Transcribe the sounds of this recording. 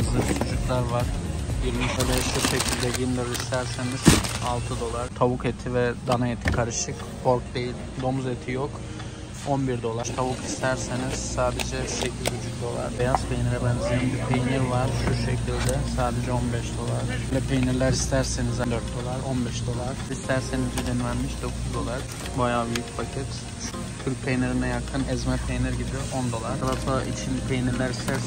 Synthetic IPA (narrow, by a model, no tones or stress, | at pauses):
lɯt͡ʃʰud͡ʒuklˠaɾvaɾ̥jiɾmɯzad̪ɛʃuʃecʰilʲd̪ɛɟind̪aɾist̪ʰæɾseniz̥alˠt̪ʰɯd̪o̞lˠaɾt̪ʰaβuket̪ʰivɛd̪anaet̪ʰi̥kʰaɾɯʃɯk | pʰoɾk̚d̪e̞jilʲd̪o̞mzet̪ʰijok | o̞nbiɾd̪o̞lˠaɾt̪ʰaβukist̪ʰæɾseniz̥saːd̪ed͡ʒɛsecʰizʰud͡ʒuk̚d̪o̞lˠa̰ɾbɛjazpʰejiniɾɛbænzininb̪ipʰejinʲiɾvaɾ̥ʃuʃecʰilʲd̪ɛsaːd̪ed͡ʒɛo̞nbɛʃd̪o̞lˠaɾ | lɛpʰejniɾlʲæɾist̪ʰæɾsenizɛd̪øɾt̪̚d̪o̞lˠaɾo̞nbɛʃd̪o̞lˠaɾ̥ist̪ʰæɾsenizid̪inlʲænmiʃd̪o̞kʰuzd̪o̞lˠaɾ̥ | bajaːbyjycpʰacʰit̪ʰ | yɾc̚ʲpʰejneɾinɛjakʰɯnɛzmɛpʰejniɾɟibiʔo̞nd̪o̞lˠaɾalasoa̰ʔḭt͡ʃʰinpʰejniɾlʲæɾist̪ʰæɾ